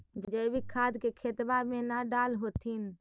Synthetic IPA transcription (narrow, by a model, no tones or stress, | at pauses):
d͡ʒd͡ʒəbikʰaːd̪kekʰet̪bamẽnaɖaːlɦot̪in